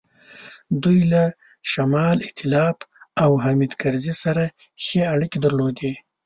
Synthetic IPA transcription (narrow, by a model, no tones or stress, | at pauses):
d̪ujla | ʃamɑlɪht̪ɪlɑfawɦamid̪kaɾzisaɾa | xeaɽiked̪əɾlod̪e